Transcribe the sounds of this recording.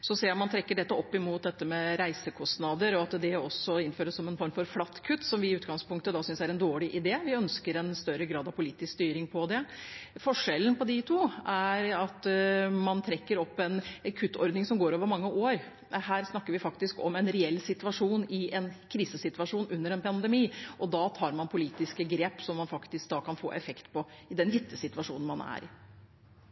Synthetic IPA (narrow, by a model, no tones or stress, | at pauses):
sɔseːmɑnt̪ʰɾɛkːəɖɛt̪ːəɔpːɪmuːt̪̚d̪ɛt̪ːəmɛɾæɪsəkʰɔsnɑd̪əɾɔɑt̪d̪ɛɔsɔɪnføːɾəsːɔmɛnfɔɾmfɔɾflɑt̪ːkʰʉt̪ːsɔmʋɪɪʉːt̪ɡɑŋspʊŋk̚t̪əd̪ɑːsʏnsæɾɛnd̪oːɭɪʔɪd̪eːʋɪœnskəɾɛnst̪œɾəɡɾɑːd̪ɑʋpʰʊliːt̪ɪskst̪yːɾɪŋpʰɔd̪ɛfɔʂɛlən̩pɔd̪ɪt̪ʰuːæɾɑt̪mɑnt̪ʰɾɛkːəɾɔpːɛnɛkʰʉt̪ːɔɾd̪nɪŋsɔmɡoːɾoːʋəɾmɑŋːəʔoːɾ | ɦæːɾsnɑkːəɾʋɪfɑkt̪ɪskɔ̰mɛnɾɛɛlːsɪt̪ʉʋɑʂuːnɪɛnkʰɾiːsəsɪt̪ʋɑʂuːnʔʉnːəɾɛnpʰɑnd̪ɛmiːʔɔd̪ɑːt̪ʰɑːɾmɑnpʰʊliːt̪ɪskəɡɾeːpsɔmːɑnfɑkt̪ɪsk̚d̪ɑːkʰɑnfo̰ːʔɛfɛkt̪pʰɔɪd̪ɛnjɪt̪ʰːəsɪt̪ʋɑʂuːnn̩mɑnæ̰ɾɪ̰